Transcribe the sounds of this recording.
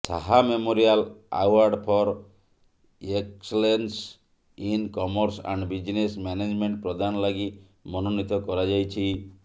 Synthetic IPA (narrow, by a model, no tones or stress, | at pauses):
saɦamemoɾiala̰waɾɖpʰɔɾ | ekselens | inkɔmɔɾsa̰ɳɖbid͡ʒinesmjaned͡ʒmeɳʈ̚pɾɔd̪anɔlaɡi | mɔnonit̪ɔkɔɾad͡ʒajt͡ʃʰi